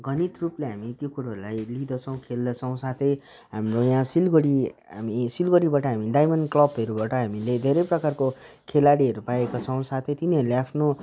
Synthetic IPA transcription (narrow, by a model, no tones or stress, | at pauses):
ɡʱʌnit̪rupleɦamik̪jekuɽaɾulajlid̪ʌt͡sʰʌw̃kʰeld̪ʌt͡sʰʌw̃sat̪ʰʌj | ɦamrojãsilɡʌɽiɦa̰misilɡʌɽibaʈʌɦamiɖajmʌnɖklʌbɦʌɾubaʈʌɦamiled̪ʱeɾʌjprʌkarko | kʰelaɽiɦʌɾupaekat͡sʰʌ̃w̃sat̪ʰʌjt̪iniɦʌɾuleapʰno